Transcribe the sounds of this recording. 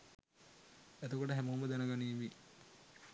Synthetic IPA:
et̪əkoʈəɦæmombəd̪ænəɡaniːʋi

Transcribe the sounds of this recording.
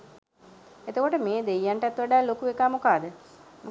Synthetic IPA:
et̪əkoʈəmeːd̪ejːaɳʈɛt̪ʋaɖaːlokuekaːmokaːd̪ə | mu

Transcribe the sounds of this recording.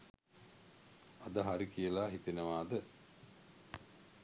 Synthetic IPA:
ad̪əɦaɾikijəlaːɦit̪enəʋaːd̪ə

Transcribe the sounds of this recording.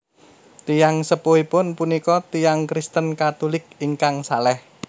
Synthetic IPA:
t̪ijaŋsəpoipʊnpunikɔt̪ijaŋkɾist̪ənkat̪ulɪk̚iŋkaŋsalɛh

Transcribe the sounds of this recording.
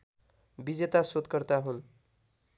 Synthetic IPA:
bid͡zet̪asod̪kʌrt̪aɦun

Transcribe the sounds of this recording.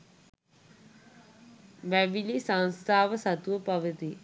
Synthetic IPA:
ʋɛʋilisɐnst̪ʰaːʋɐsɐt̪uʋɐpɐʋɐt̪i

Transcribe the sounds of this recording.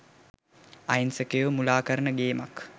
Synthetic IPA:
ajnsəkejəʋəmulaːkəɾənəɡeːmak

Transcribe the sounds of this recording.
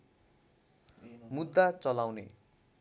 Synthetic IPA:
mud̪ːat͡sʌlawnḛ

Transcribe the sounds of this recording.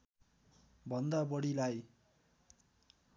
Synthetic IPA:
bʱʌnd̪abʌɽilaj

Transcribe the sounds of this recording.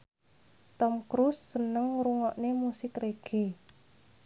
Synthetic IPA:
t̪ɔmkɾusːənəŋɾuŋɔʔnemusɪkreɡ̥e

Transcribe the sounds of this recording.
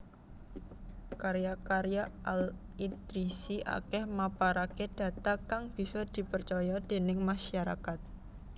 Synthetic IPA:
kaɾjakaɾjaal | it̪ɾisiʔa̰kɛhmapaɾaked̥ä̤t̪akaŋb̥i̤sɔd̪̥i̤pərt͡ʃɔjɔd̥e̤nɪŋmaʃaɾa̰kat̪̚

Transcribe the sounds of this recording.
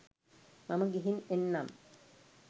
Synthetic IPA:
mɐmɐɡiɦinenːam

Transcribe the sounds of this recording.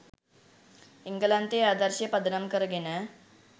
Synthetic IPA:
iŋɡəlant̪eaːd̪əɾɕjepɐd̪ɾamkəɾɡenə

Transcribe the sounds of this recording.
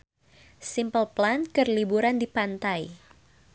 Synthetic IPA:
simpəlplankərlibuɾandipant̪aj

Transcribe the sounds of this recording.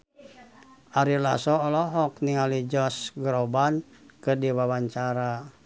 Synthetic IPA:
aɾila̰sɔːlɔɦɔk̚niŋalid͡ʒɔsɡɾɔbankɨrdiwawaɲt͡ʃaɾa

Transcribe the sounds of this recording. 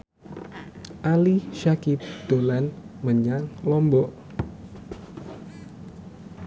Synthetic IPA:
ʔaliʃakɪp̚d̪̥olanməɲaŋlɔmbɔʔ

